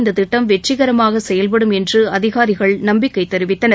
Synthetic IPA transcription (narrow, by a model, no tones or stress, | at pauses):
nd̪ɐt̪ɪʈːɐmʋɛʈt͡ʃːɪɣɐɾɐmaːɣɐsɛjɐlp̬ɐɽɯmɛndrɯɐðɪɣaːɾɪɣɐɭnɐmbɪkːɐɪt̪ːɛɾɪʋɪt̪ːɐnɐ